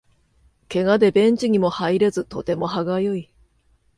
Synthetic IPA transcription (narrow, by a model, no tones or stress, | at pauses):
ke̞ɡad̪e̞bẽ̞ɲ̟t͡ɕiɲ̟imo̞haiɾe̞zɨt̪o̞t̪e̞mo̞ɦaɡajoi